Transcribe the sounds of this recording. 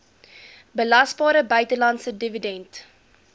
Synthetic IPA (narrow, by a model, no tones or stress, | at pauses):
bəlɐsbɑːɾəbœɥtəlɐntsədividɛnt